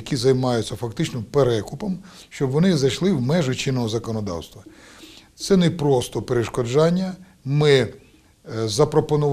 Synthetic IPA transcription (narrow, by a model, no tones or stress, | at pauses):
ɐkʲizɐjmɑjʊt͡sʲːɐfɐkt̪ɪt͡ʃnɔpeɾɛkʊpɔmʃt͡ʃɔbʋɔnɪzɐjʃlˠɪwmɛʒʊt͡ʃɪnːɔɦɔzɐkɔnɔd̪ɑ̰wst̪ʋɐ | t̪sɛnepɾɔst̪ɔpeɾeʃkɔd͡ʒɑnʲːɐ | mɪ | zɐpɾɔpɔnʊʋ